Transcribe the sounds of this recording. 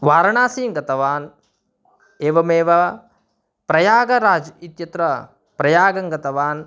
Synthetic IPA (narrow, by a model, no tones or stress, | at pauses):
ʋaːɾɐɳaːsiːŋɡɐt̪ɐʋaːn | eːʋɐmeːʋɐ | pɾɐjaːɡɐɾaːd͡ʒit̪jɐt̪ɾɐ | pɾɐjaːɡɐŋɡɐt̪ɐʋaːn